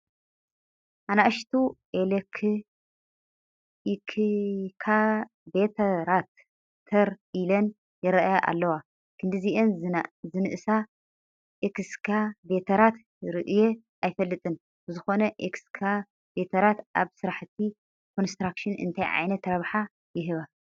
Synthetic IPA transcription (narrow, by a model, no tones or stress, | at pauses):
ʔanaʔʃt̪ʰuʔelekʰ | ikʰkʰa | bet̪ʰɐɾat̪ʰː | ɐɾilɐn | jɪɾɐʔajaʔa̰lːɐwa | kʰɨnd̪ɨziʔenzɨnɨʔɨsa | ʔekskʰabe̞t̪ʰɐɾat̪ | ɾɨʔɨje | ʔajfɐlːɨt̪ʼɨn | bɨzɨxo̞nɐʔekskʰa | bet̪ʰɐɾat̪ʔa̰βsɨɾaħt̪ʰi | kʰonst̪ɾakʃɨnɨ̰nt̪ʰajʕa̰jnɐt̪ɾɐβħa | jɪɦɨβa